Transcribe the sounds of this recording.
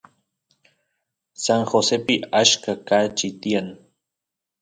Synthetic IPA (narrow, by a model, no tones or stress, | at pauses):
saŋxosepɪaʃkakat͡ʃɪt̪ian